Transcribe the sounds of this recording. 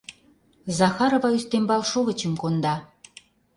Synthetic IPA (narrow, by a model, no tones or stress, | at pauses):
zɑxɑɾovɑyst̪embɑlʃoɣə̆t͡ɕə̆mkond̪ɑ